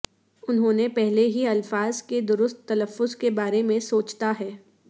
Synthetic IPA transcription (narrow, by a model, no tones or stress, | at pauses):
ʊnɦõːnepɛɦleɦiɐlfaːzked̪ʊɾʊst̪ːɐləfːʊzkebaːɾemẽsoːt͡ʃt̪aɦɛː